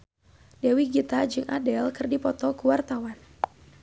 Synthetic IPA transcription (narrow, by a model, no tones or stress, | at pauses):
dɛwiɡit̪ad͡ʒɨŋʔadɛlkɨrdipɔt̪ɔkuwart̪awan